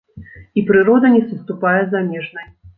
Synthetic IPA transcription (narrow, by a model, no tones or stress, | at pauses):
ipɾɨɾɔd̪ɐnʲɛsɨst̪upajɛzamʲɛʐnɐj